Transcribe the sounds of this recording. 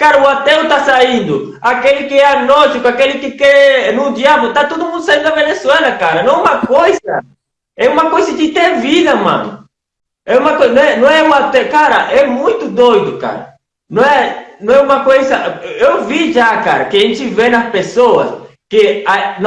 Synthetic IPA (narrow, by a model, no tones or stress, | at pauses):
kaɾɐʊat̪ewt̪asaĩnd̪ʊ | akelɪkɪɛanɔt͡ʃikʊakelɪkɪkɛnʊd̪iablʊt̪at̪od̪ʊmũd̪ʊsaĩnd̪ʊd̪ɐvenesuɛlɐkaɾɐnɐ̃ɛ̃ũmɐkojzɐ̰ | ɛũmɐkojzɐd͡ʒɪt̪eviðɐmɐ̰̃nʊ | ɛũmɐkonɐ̃w̃ɛnɐ̃w̃ɛuat̪ewkaɾɐʔɛmũj̃t̪ʊd̪ojd̪ʊka̰ɾɐ̰ | nɐ̃ɛnɐ̃w̃ɛũmɐkojzɐewviʒakaɾɐkɪaʒẽnt͡ʃɪvenɐspesoɐ̰s | kɪan